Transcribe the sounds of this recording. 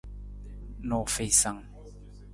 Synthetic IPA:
nɔ˨fe˨jsa˨ŋ

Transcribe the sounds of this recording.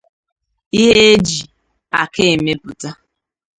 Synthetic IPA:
i˦ɦe˦e˦d͡ʒi˨ | a˨ke˦e˨me˦pʊ˨ta˦

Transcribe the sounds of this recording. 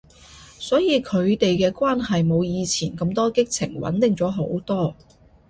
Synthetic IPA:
sɔː˨˥jiː˨˧kʰɵ˨˧ɥt̪e˨jkɛː˧kʷwaː˥nhɐ˨jmo˨˧wjiː˨˧t͡sʰiː˨˩nkɐ˧mt̪ɔː˥kɪ˥k̚t͡sʰɪ̰˨˩ŋwɐ̰˨˥nt̪ɪ˨ŋt͡sɔː˨˥ɦo˨˥wt̪ɔː˥

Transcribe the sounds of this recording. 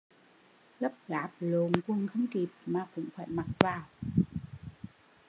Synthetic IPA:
lə˦˥p̚ɣaː˨˦p̚lo˨˦nku˧˩əŋxə˧wŋ͡mki˨˩p̚maː˨˩kʊ̰˧˥ŋ͡mfaː˧˩jma˨˩t̚vaː˨˩w

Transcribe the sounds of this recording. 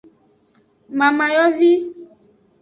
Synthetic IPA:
mã˨mã˨jɔ˦vi˦

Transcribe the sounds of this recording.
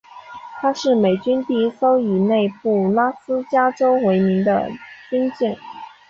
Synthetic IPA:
t̪ʰa˥ʂɻ̩˥˩me˨˩ɪt͡ɕy˥nt̪i˧˥˧so˥ʊi˨˩ne˥˧ɪpu˥˩la˥sɹ̩˥t͡ɕja˥ʈ͡ʂo˥ʊwe˧˥ɪmi˧˥ŋd̪ə̰˧t͡ɕi˥nt͡ɕɛ˥˩n

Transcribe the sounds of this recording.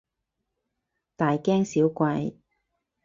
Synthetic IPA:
t̪aː˨jkɛː˥ŋsiː˨˥wkʷɐ˧j

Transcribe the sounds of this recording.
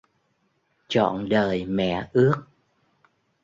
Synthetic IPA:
t͡ɕɔ̰˧˨nɗəː˨˩jmɛ̰˧˨ʔɨ˦˥ək̚

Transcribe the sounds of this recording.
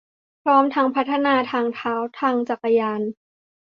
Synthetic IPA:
pʰɾɔː˦˥mt̪ʰa˦˥ŋpʰa˦˥t̪ʰːa˧˨naː˧t̪ʰaː˧ŋt̪ʰaː˦˥wt̪ʰaː˧ŋt͡ɕa˨˩kːa˧jaː˧n

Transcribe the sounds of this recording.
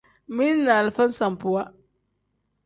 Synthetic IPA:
mi˦n˦na˨lfa˦n˦sa˨m˨pʊ˨wa˦

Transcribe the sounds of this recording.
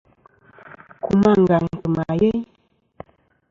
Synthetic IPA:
ku˨ma˦˨ŋ˨ɡa˨ŋkə˨ma˨je˦ɲ

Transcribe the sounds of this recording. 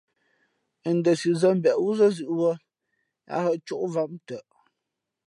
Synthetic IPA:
ə˨n̩˦də˨si˨zə˦m̩˦bɛ˨ʔwu˦zə˦zʉ˨ʔwə˦ | a̰˨˦hə˦˨ʔt͡ʃu˦ʔva˨˦mtə˨ʔ

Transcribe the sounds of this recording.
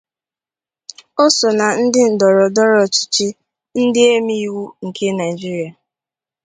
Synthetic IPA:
o˦so˨na˨n̩˦dɪ˦n̩˨dɔ˨ɾɔ˨dɔ˦ɾɔ˨t͡ʃi̥˦t͡ʃi˦ | n̩˦dɪ˦e˦mi˦i˦wu˦ŋ̩˨kʰe˦na˨i˨d͡ʒi˦ɾi˨˦a˨

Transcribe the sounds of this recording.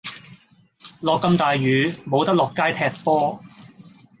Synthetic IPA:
lɔː˨kːɐ˧mt̪aː˨jɥyː˨˧˥mo˨˧wt̪ɐ˥k̚lɔː˨kːaː˥jt̪ʰɛː˧k̚pɔː˥

